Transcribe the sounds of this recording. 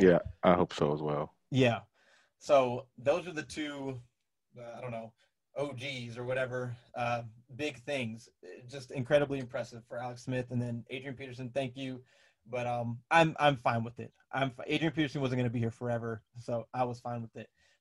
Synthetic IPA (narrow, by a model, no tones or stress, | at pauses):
jæʔaɪhoʊpsoʊəzwɛ̰lˠ | jæ | soʊðoʊzə˞ðɨtʰʉ | ʌaɪdõʊ̃nːoʊ | ʔoʊd͡ʒizə˞wʌɾɛvə˞ʔʌbɪɡ̚θɪ̃ŋz̥ɪd̥ʒ̥ʌstɨ̃nkʰɹ̥ɛɾɨbliɨ̃mpʰɹ̥ɛsɨv̥fə˞ælˠəksmɪθɨ̃nðɨ̃neɪdɹiɨ̃npʰiɾə˞s̬ɨ̃nθæ̃ŋkjʉ | b̥ʌɾʌ̃mʔãɪ̃mʔã̰ɪ̃ɱfãɪ̃nwɨðɪ̰t̚ʔã̰ɪ̃ɱfʔḛɪdɹiɨ̃npʰiɾə˞sɨ̃n̩wʌzn̩ɡʌnəbihiɹfə˞ɛvə˞soʊʔaɪwʌz̥fãɪ̃nwəðɪt̚